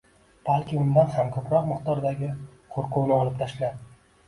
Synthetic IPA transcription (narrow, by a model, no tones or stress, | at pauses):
b̥alˠkʲɪʊnd̪anhamkʰɵpɾɒqmɨχt̪ɒɾd̪aɡʲɪ | qʰoɾqʊwnɪɒlˠɪp̚t̪ʰaʃlad̪ɪ